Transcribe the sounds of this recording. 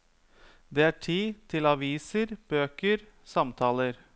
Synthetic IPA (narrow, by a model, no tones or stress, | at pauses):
d̪ɛːæːʈʰiːt̪ʰɪlɑʋiːsəɾb̥øːkəɾ | sɑmt̪ʰɑːləɾ